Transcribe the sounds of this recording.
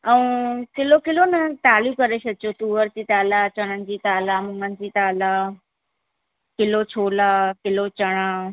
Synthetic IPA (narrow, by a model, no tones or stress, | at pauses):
ɐũkɪlokɪlonɐt̪aːlikɐɾesɐt͡ɕot̪uːʋəɾt͡ɕiːt̪aːlat͡ɕɐɽ̃ənɪ̆d͡ʑiːt̪aːlaːmuːmən̆d͡ʑiːt̪aːlaː | kɪlot͡ɕʰoːlaːkɪlot͡ɕɐɽ̃aː